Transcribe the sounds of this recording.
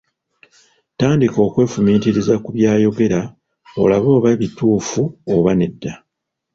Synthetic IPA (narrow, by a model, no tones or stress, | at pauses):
taːndiko̞ːkwe̞ːfumiːtiɾizakuβjaːjo̞ɡe̞ɾa | o̞̰laβo̞ːβaβituːfuoβane̞dːa